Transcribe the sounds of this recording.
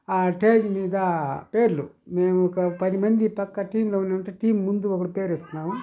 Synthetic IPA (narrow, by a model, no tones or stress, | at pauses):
aːʈeːd͡ʒmiːd̪ɐpeːɾlumeːmukɐpɐd̪imɐnd̪ipɐkːɐʈiːmlɐʋuneɳʈɐʈiːmːund̪uʋɐɡɐɽupeːɾest̪unaːʋu